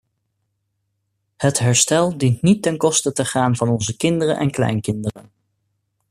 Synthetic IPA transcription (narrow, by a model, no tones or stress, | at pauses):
hətɦɛɹstɛlˠdintnitːɛnkɔstətəχaːnvɑnɔnzəkɪndərənʔɛ̰nklɛ̰jnkɪndərə̰n